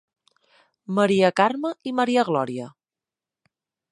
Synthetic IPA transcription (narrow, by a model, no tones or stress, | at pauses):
məɾiəkarməiməɾiəɣlɔɾiə